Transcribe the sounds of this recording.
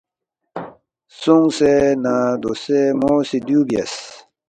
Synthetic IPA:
suŋsenad̪osemosid̪juːbijɐ̰s

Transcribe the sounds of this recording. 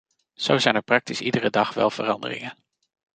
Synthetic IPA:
z̥owzɛjnəɹprɑk̚tisidərədɑχʋɛ̰lˠv̥ərɑndə̰rɪ̰ŋən

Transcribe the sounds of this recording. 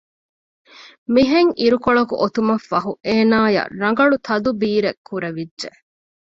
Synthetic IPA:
miɦeŋʔiɾukoɭɐkṵʔot̪umɐfːɐɦuʔeːnaːjɐ̰ɾɐŋ̆ɡɐɭut̪ʰɐd̪ubiːɾekʰːuɾɐʋidːʒe

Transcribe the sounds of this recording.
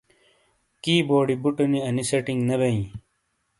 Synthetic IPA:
kiːboːɽibuʈuniɐnisɐʈiŋnɐbɐĩ

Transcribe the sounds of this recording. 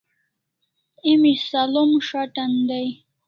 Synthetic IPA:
imisalomʂaʈand̪aj

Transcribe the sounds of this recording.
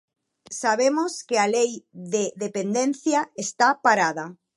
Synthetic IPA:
saβ̞emoskealejðeðepend̪en̟θjaest̪apaɾaða

